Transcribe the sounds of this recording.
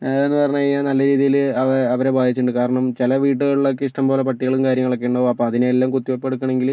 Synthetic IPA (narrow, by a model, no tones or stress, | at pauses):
enːɨpɐrɐɲːaːaːnɐlːɐɾiːðijilɐʋɐɐʋɐɾebʱaːd̪ʱit͡ɕːuɳɖɨkaːɾɐɳɐmt͡ɕilɐʋiːʈ̬ːɨɣɐɭiɭok̬ːe̞iʂʈɐmbo̞ːlepɐʈːiɣɐɭumkaːɾjɐŋːɐɭɐkːejɳɖɐʋoɐpːo̞ːɐðineelːaːmkut̪ːiʋɐpːeɽukːɐɳe̞ŋɡil